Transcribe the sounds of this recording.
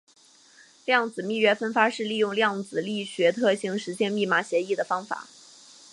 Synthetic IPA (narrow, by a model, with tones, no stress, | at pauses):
ljɑ˥˩ŋt͡sɹ̩˨˩mi˥˩ɥɛ˥fə˥nfa˥ʂɻ̩˥˧li˥˧jʊ˥˧ŋljɑ˥˩ŋt͡sɹ̩˨˩li˥˩ɕɥɛ˧˥t̪ʰɤ˥˧ɕi˧˥˩ŋʂɻ̩˧˥ɕjɛ˥npi˥˩ma˧˥ɕjɛ˧˥i˥˩d̪ə˩fɑ˥ŋfa̰˨˩˦